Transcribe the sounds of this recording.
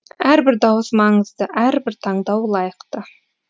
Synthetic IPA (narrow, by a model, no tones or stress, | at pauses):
æɾbɪɾd̪ɑwəsmɑɴəzd̪əʔæɾbɪɾt̪ʰɑɴd̪ɑwlˠɑjəqt̪ə